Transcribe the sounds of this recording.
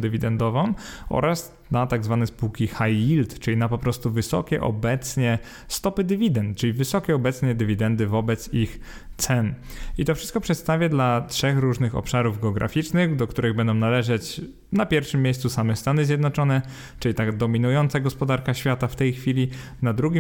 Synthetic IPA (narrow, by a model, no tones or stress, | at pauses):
d̪ɘvʲid̪ɛnd̪ɔvɔ̃mɔ̰ɾas | nat̪aɡzvanɛspuwkʲixajilt̪t͡ʂɘlʲinapɔpɾɔst̪uvɘsɔ̰kʲɛ̰ʔɔ̰bɛt̪sɲɛ | st̪ɔpɘd̪ɘvʲid̪ɛnt̪t͡ʂɘlʲivɘsɔkʲɛɔbɛt̪sɲɛd̪ɘvʲid̪ɛnd̪ɘvɔbɛt̪six | t̪sɛnit̪ɔfʂɘst̪̚kɔpʂɛt̪st̪avʲjad̪latʂɛxɾuʐnɘxɔ̰pʂaɾuvɡɛɔɡɾa̰fʲit͡ʂnɘxd̪ɔk̚t̪uɾɘɣbɛnd̪ɔ̃w̃nalɛʐɛt͡ɕ | napʲjɛɾfʂɘmʲːjejst̪susamɛst̪anɘzʲjɛd̪nɔt͡ʂɔnɛ | t͡ʂɘlʲit̪ad̪ɔmʲinujɔnt̪saɡɔspɔd̪aɾkaɕfʲjat̪aft̪ɛjxfʲilʲi | nad̪ɾuɡʲi